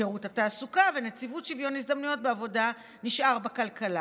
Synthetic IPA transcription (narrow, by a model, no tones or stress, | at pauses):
eʁuthataːsukavenet͡sivutʃivjo̞nisd̪amnujo̞t̚beavo̞da | niʃʔaʁbakalkala